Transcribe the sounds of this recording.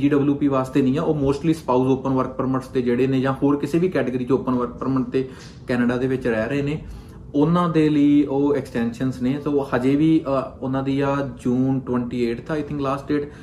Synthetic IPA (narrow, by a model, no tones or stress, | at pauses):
d͡ʒiːɖəbljuːpiːʋaːst̪eːnĩːãoːmoːsʈliːspaːuzoːpənʋəɾk̚pəɾməɾst̪eːd͡ʒeːɽeːneːd͡ʒãːhoːɾkɪseːʋiːkɛːʈəɡəɾiːt͡ʃoːpənʋəɾk̚pəɾməʈt̪eː | kɛːnəɖaːd̪eːʋɪt͡ʃɾɛːɾəeːneː | ʊnãːd̪eːləiːoːɛksʈɛːnʃənsneːsoːhəd͡ʒeːʋiːʊnãːd̪iːaːd͡ʒuːnʈʋəɳʈiːeːʈt̪ʰaɪt̪ʰɪ̃ŋklaːsʈɖeːʈ